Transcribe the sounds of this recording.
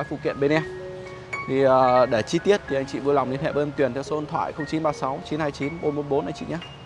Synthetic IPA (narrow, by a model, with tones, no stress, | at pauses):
aː˨˦jfṵ˧˨kwḭ˧˨ənɓe˧nɛ˧m | t̪ʰi˨˩əː˨˩ɗe˧˩t͡ɕi˧t̪i˦˥ət̚t̪ʰi˨˩a˧jŋ̟t͡ɕḭ˧˨vɨ˧la˨˩wŋ͡mɗi˧nhɛ̰˧˩ɓəː˧ŋt̪wi˨˩ənt̪ʰɛ˧wso˨˦ə˧nt̪ʰwa̰ː˧˨jxə˧wŋ͡mt͡ɕi˨˦nɓaː˧sa˨˦wt͡ɕi˨˦nhaː˧jt͡ɕi˨˦nɓo˨˦nɓo˨˦n̚ɓo˨˦nʔa˧jt͡ɕḭ˧˨ɲaː˨˦